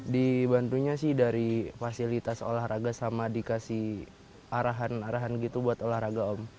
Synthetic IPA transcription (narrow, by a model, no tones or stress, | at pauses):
dibant̪uɲasɪhdaɾifasilit̪aso̰lahraɡasamadikasih | aɾaɦanaɾaɦanɡit̪ubuat̪olahɾaɡaɔm